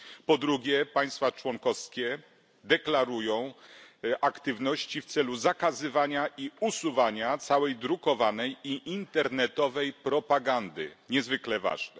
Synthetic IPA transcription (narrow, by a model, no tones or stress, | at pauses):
pɔd̪ɾuɡʲjɛpaj̃st̪fat͡ʂwɔŋkɔfskʲɛ | d̪ɛklaɾujɔ̃w̃ʔakt̪ɘvnɔɕt͡ɕift̪sɛluzakazɘvaɲaʔiusuvaɲat̪sawɛjd̪ɾukɔvanɛjiʔint̪ɛɾnɛt̪ɔvɛjpɾɔpaɡand̪ɘ̰ɲɛzvɘklɛva̰ʐnɛ